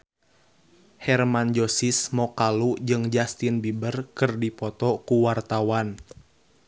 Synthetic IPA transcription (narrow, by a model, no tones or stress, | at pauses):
hɛrmand͡ʒosismɔkalud͡ʒɨŋd͡ʒast̪inbibərkɨrdipɔt̪ɔkuwart̪awan